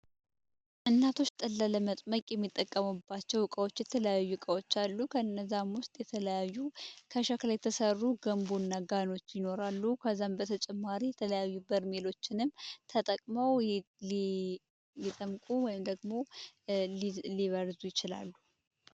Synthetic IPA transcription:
ʔɨnːat̪ʰo̞t͡ʃːt̪ʼəlːaləmət̪ʼməkʼjɛmːit̪ʼːəkʼːəmubːat͡ʃːɛwkʼəwo̞t͡ʃːjɛt̪ʰələjajːukʼəwo̞t͡ʃːalːukʰəɨnːəzamwʊst̪ʼjɛt̪ʰələjajːukʰəʃaklajɛt̪ʰəsərːuɡəmbunːaɡano̞t͡ʃːjɪno̞ɾalːukʰəzːambət̪ʰət͡ʃʼɛmːaɾijɛt̪ʰələjajːubəɾmelo̞t͡ʃːɪnɨmt̪ʰət̪ʼəkʼməw | lit̪ʼəmkʼuwɔjɪmd̪əɡmo̞ | lliβəɾzujɪt͡ʃɪla̰lːu

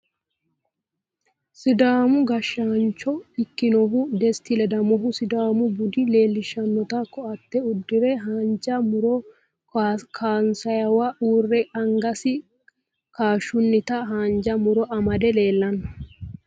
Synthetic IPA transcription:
sɪd̪aːmʊɡɐʃːant͡ʃɔɪkːɪnɔɦʊd̪ɛst̪ɪlɛd̪ɐmɔɦʊsɪd̪aːmʊbʊd̪ɪle̞ːlːɪʃːɐnːɔt̪ɐkːɔɐt̪ːɛʊd̪ːɪɾɛɦaːnd͡ʒɐmʊɾɔ | kʰaːnsɐjɐwɐʔuːrːɛɐŋɡɐsɪ | kaːʃːʊnːɪt̪ɐɦaːnd͡ʒɐmʊɾɔʔɐmɐd̪ɛle̞ːlːɐnːɐ̥

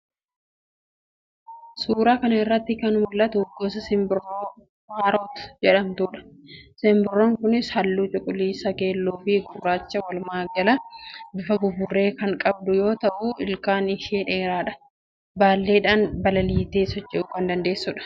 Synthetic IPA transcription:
suːɾaːkɐnɐɪrːɐt̪ːɪkɐnhɔlːɐt̪ʊɡːoːsɐsɪmbɪrːoː | waːɾoːt̪ʊ̥d͡ʒɛᶑɐmt̪uːᶑɐ̥sɪmbɪrːoːŋkʊnɪshɐlːuːt͡ʃʼʊkʼʊliːsɐke̞ːlːuːfɪɡʊrːaːt͡ʃːɐwɐlmaːɡɐlɐbʊfɐɡʊbʊrːe̞ːkɐŋkʼɐb̚d̪ʊjo̞ːt̪ɐʔuʔɪlkʼaːnɪʃeːᶑe̞ːɾaːᶑɐ̥ | baːlːeːᶑaːnbɐlɐliːt̪eːsɔt͡ʃʼːɪʔʊːkɐnd̪ɐnd̪e̞ːsːʊᶑɐ̥

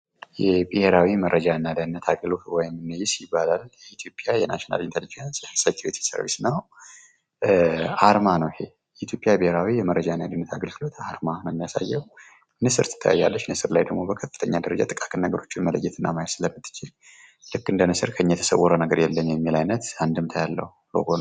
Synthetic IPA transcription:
jɛbɨheɾawiməɾʔəd͡ʒaɨnːad̪ənːət̪ʰaɡəlot̪wɔjɪmɨnːəjɪsjɪbːalaljɛit̪ʰjo̞pʼjajɛna̰ʃina̰lint̪ʰəlid͡ʒənsjsat̪ʰiwet̪ʰi̥sə̰ɾvḭsnəw | ʔaɾmanəwhe | jɛit̪jo̞pʼjabiheɾawijɛməɾːəd͡ʒaɨnːad̪ənːət̪ʰaɡəlɡɨlo̞t̪aɾmaməmːijasa̰jːɛw | nɨsɨɾt̪ʰɨ̥t̪ʰːəja̰jːa̰lːət͡ʃːnɨsɨɾlajd̪əɡmo̞bəkʰəfːɨt̪ʰəɲːad̪əɾəd͡ʒat̪ʼɨkʼḁkʼɨnːəɡəɾo̞t͡ʃːɪnmələ̰jːɛt̪ʰɨnːamajsɨləmːɨt̪ʰːɨ̥t͡ʃːil | lɨkːɨnd̪ənɨsɨɾkʰəɨɲːjɛt̪ʰə̥sə̰wːɔɾənəɡəɾjɛlːənjɛmːilajnət̪and̪ɨmt̪ʰəjalːə̰hulo̰ɡon

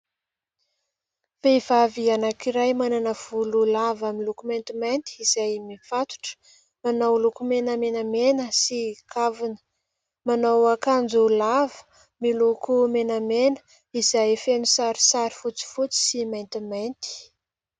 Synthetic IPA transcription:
veivavianakiɾajmananəv̥ululavamilukumajnt̪imant̪iiz̥ajmifat̪u̥ʈ͡ʂə̥ | manawlukumenəmenəmenəsikʰavunə̥ | manawakand͡zulavə̥ | milukumenəmenə̥ | izajfenisaɾi̥saɾi̥fut͡si̥fut͡si̥simajnt̪imant̪i̥

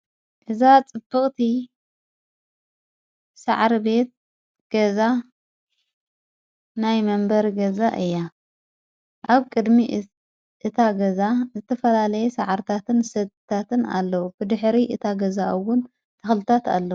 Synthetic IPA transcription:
ʔɨzat͡sʼɨb̥ːɨχʼt̪ʰi | sa̰ʕɾibe̞t̪̚ | ɡ̥ɐza | najmɐmbɐɾɡɐzaʔɨjːa | ʔaβkʼɨd̪mi | ʔɨt̪ʰaɡɐzazɨt̪ʰɐfɐlalɐjɛsaʕaɾt̪ʰat̪ʰɨnsɐd̪t̪ʰat̪ɨna̰lːɐwubɨd̪ɨħɾiʔɨt̪ʰaɡɐzaʔɨwːʊn | t̪ʰɐxlɨt̪ʰat̪a̰lːɐwu

